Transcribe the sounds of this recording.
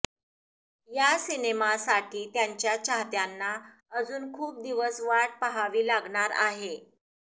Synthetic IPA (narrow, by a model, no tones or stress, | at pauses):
jasinemasaʈʰiːt̪jaɲt͡ɕjat͡ɕʰaɦt̪janːa | əd͡zuːnkʰuːp̚d̪iʋəsʋaʈ̚pəɦaʋiːlaɡɳaɾa̰ɦe